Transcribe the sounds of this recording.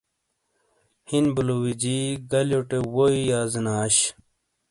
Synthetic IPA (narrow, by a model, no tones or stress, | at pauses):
hinbulowid͡ʑiɡɐljoʈewoijaːzinaːɕ